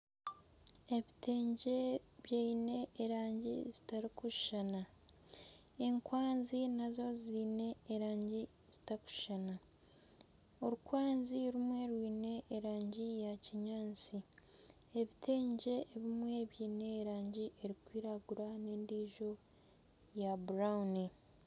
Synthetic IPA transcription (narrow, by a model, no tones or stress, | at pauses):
e̞βitʰe̞ːɲɟe̞βjeine̞ːɾaːɲɟḭzitaɾikuʃʃana | eŋkwaːnzinazo̞ziːne̞ːɾaːɲɟi | z̥itaku̥ʃʃana | oɾukwaːnziɾumwe̞ɾwiːne̞ʔːɾaːɲɟijaciɲaːnt͡si | eβitʰe̞ːɲɟe̞ːβimwe̞βjiːne̞ːɾaːɲɟieɾikwiːɾaɡuɾane̞ːndiːʒo̞ | jabuɾauni